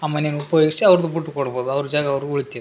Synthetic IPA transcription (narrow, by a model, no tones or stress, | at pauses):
aːmɐnejnupɐjoːɡisiɐʋɐɾɐd̪ubuʈːukɔɽboːd̪uɐʋɐɾud͡ʒaːɡɐːʋɾuɭit̪ːiːɾ